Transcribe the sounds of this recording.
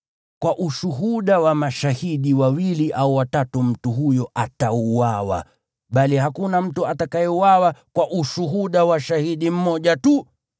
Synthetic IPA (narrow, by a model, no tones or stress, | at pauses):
kwaʔuʃuɦuɗawamaʃahiɗiwawiliʔauwatatum̩tuɦujɔʔatauwawa̰ | ɓalihakunam̩tuatakajɛuwawakwaʔuʃuɦuɗawaʃahiɗim̩mɔʄatu